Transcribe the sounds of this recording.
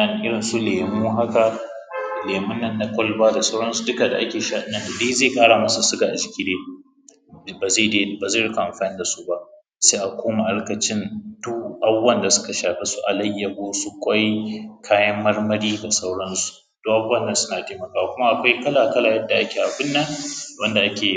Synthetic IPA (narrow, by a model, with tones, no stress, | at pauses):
a˨n˨ʔɪ˦ɽɪ˨nsu˦leː˨muː˦ɦa˦ka˨ | leː˨mʊ˦nːɐ˦nːa˦kʷʼɔ˦lbaː˦da˨sa˦wɽɐ˦nsu˨dʊ˦ka˨da˨ʔa˦kʲeː˨ʃaː˦ɗɪ˦nːɐ˨nda˨di˦zeː˦˨kʼaː˦ɽaː˨mɐ˦sa˨sʊ˦ɡa˨ʔa˨d͡ʒɪ˨kʲiː˦deː˦ | ba˨ze˦˨de˦baː˨ze˦˨ɽɪ˦ka˨ʔa˨mɸaː˨nɪ˦da˨su˦ba˦ʔ | seː˦ʔa˨kʷoː˦ma˨ʔa˦ɽkɐ˨t͡ʃɪ˦ndu˦ʔa˦bʊ˦wɐ˦˨nda˨sʊ̥˦ka˨ʃaː˨ɸe˦su˦ʔa˨lɐ˦jːɐ˨ɡʷoː˦su˦kʷɐ˦jkʰaː˦jɐ˦mːɐ˦rmɐ˦ɽiː˦da˨sa˦wɽɐ˦nsu̥˨ | d̥oː˦ʔa˨bwɐ˦˨nːɐ˦sʊ˦naː˨teː˦mɐ˨kaː˦wa˨kʷʊ˦ma˦ʔa˨kʷa˦jkɐ˦laː˨kɐ˦laː˨jɐ˦dːa˨ʔa˦kʲe˨ʔa˨bɪ˦nːɐ˦ŋwɐ˦nda˨ʔa˦kʲeː˨